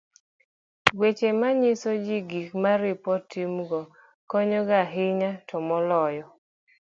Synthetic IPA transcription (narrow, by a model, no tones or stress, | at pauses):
wet͡ʃemaɲɪsod͡ʒiɡikmaɾɪpɔtʰimɡɔ | kɔɲɔɡaɦɪɲatʰɔmɔlɔjɔ